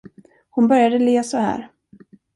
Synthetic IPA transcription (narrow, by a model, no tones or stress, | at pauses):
hʊnbœɾjad̪əleːsɔhæ̰ːɾ